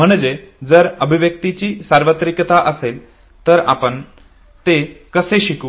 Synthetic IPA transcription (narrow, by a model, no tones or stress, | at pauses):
m̤əɳ̃d͡ʑed͡zəɾəbʱiʋjək̚t̪it͡ɕiːsaɾʋət̪ɾikt̪aʔəsel | t̪əɾa̰pəɳ | t̪ekəseɕikuː